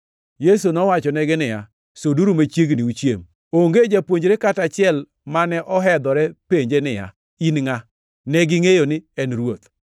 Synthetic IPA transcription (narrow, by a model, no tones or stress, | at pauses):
jesunɔwat͡ʃɔnɛɡɪnɪja | soduɾumat͡ʃjeɡnɪut͡ʃjḛm | oŋɡed͡ʒapwoɲd͡ʒɾekatat͡ʃɪɛl | manɛʔɔɦɛd̪ɔɾɛpeɲd͡ʒenɪja̰ | inŋa | nɛɡɪŋejonɪɛnɾwot̪